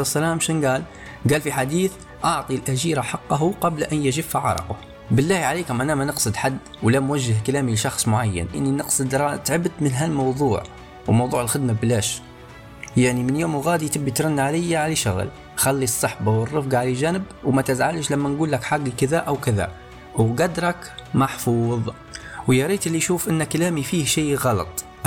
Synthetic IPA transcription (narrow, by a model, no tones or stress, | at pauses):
sælæːmʃnɡæːl | ɡæːlfiħad̪iːθ | ʔɑʕt̪ˤilʔæʒiːɾaħɑqːɑɦuqɑblʔænjaʒifaʕɑ̰ɾˤɑ̰qʊ̰ | bəlːæːhiʕaliːkamʔænæmanəqsˤɨd̪ħad̪ːwlæmwaʒːəhkælæːmilʃɑxsˤmʊʕajːə̰nʔɪnːinəqsˤɨd̪ɾˤɑt̪ʕəbd̪mənɦælmɑwðˤuːʕ | wmɑwðˤuːʕəlxɪd̪mablæʃ | jaʕnimənjoːmɣɑːd̪it̪əbːit̪ɾˤɑnːʕalɪjːaʕaliʃʊɣə̰l | xalːisˤːɑħbawərˤːɨfɡaʕaliʒænəbwmæt̪əzʕalʃlæmːænɡuːlːækħaɡikəðæʔæwkəðæ̰ | wɡɑd̪ɾˤɑkmɑħfuːðˤ | wjɑɾiːt̪ʔəlːiʃuːfʔənːækalæːmifihʃiːɣɑlɑ̰t̪ˤ